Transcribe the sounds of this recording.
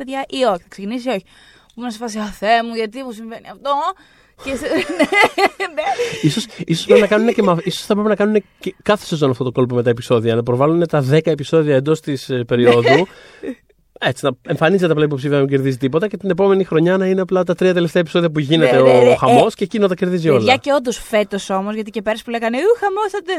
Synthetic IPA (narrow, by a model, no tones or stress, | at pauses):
eðɐʔioçi̥θɐksecinis̬ioçi | pumenɐsefɐs̬iɐθemuʝɐt̪imusiɱveniɐft̪o | cesneneisosisosɐpɾepinɐkɐnunecemɐisosθɐp̬ɾepinɐkɐnune̞cekɐθe̞̥sezo̞noɐft̪ot̪o̞ko̞lp̬o̞meɐe̞piso̞ðiɐnɐpɾo̞vɐlune̞t̪ɐðe̞kɐepiso̞ðiɐend̪o̞st̪ispe̞ɾio̞ððu | e̞t͡si̥nɐe̞ɱfɐnizet̪eɐplɐip̬o̞psifiɐnɐmuɟe̞ɾðizit̪ipo̞t̪ɐce̞t̪ine̞po̞me̞nixɾo̞ɲɐnɐineɐplɐt̪ɐt̪ɾiɐt̪e̞left̪eɐepi̥so̞ðiɐpuʝine̞t̪e̞oxɐmo̞scecinot̪ɐce̞ɾðizio̞lɐʝɐceo̞nd̪osfe̞t̪oso̞mozʝɐt̪ice̞pe̞ɾɐspule̞ɣɐneuxɐmosɐt̪e